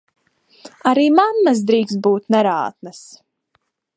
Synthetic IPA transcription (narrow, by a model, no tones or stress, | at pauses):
aɾiːmanːasd̪ɾiːkst̪̚buːt̪nɛɾa̰ːt̪̚nɐs